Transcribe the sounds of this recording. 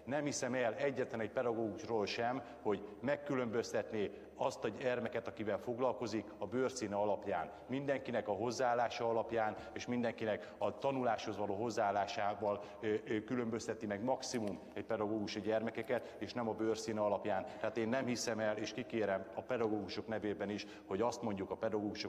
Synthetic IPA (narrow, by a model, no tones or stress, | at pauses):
nɛmhisɛmɛlɛɟːɛt̪lɛnɛc̚pɛd̪ɒɡoːɡuʃroːlʃɛm | ho̞ɟmɛkːylø̞mbø̞st̪ɛt̪ne | ɒst̪ɒɟɛrmɛkɛt̪ɒkivɛlfo̞ɡlɒlko̞zikɒbøːrsiːnɛɒlɒpjaːn | mind̪ɛŋkinɛkɒɦo̞zːaaːlːaːʃɒɒlɒpjaːn | eːʃmind̪ɛŋkinɛk | ɒt̪ɒnulaːʃho̞zʋɒloːɦo̞zːaːlːaːʃaːvɒl | kylø̞mbøst̪ɛt̪imɛɡmɒksimum | ɛc̚pɛd̪ɒɡoːɡuʃiɟɛrmɛkɛkɛt̪eːʃnɛmɒbøːrsiːnɛɒlɒpjaːnt̪ɛɦaːt̪eːnːɛmhisɛmɛleːʃkikeːɾɛmɒpɛd̪ɒɡoːɡuʃo̞knɛveːbɛniʃ | ho̞ɟɒst̪mo̞ɲɟukɒpɛd̪ɒɡoːɡuʃo